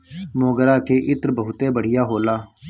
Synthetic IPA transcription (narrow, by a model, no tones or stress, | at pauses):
mõːɡəɾaːkeːʔɪt̪ɾbəɦʊt̪eːbəɽ̤ɪjaːɦoːlaː